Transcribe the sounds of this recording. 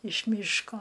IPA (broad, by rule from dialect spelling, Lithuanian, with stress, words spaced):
ɪʃ ˈmʲiːʃkoː